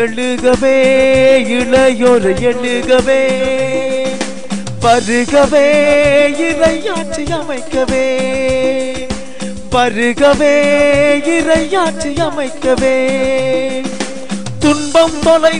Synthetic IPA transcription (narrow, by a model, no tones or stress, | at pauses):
ɛɭɯɣɐʋeː | ɪɭɐjoɾɐjɛɭɯɣɐʋeː | ʋɐɾɯɣɐʋeːɪɾɐɪaːʈt͡ʃːijɐmɐɪkːɐʋeː | pɐɾɯɣɐʋeːɪɾɐɪjaːʈt͡ʃːijɐmɐɪkːɐʋeː | t̪ʊnbɐmt̪ɔlɐɪ